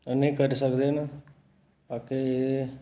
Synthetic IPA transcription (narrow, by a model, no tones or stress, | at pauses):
nĩːkəɾsəkd̪eːna | aːkeeː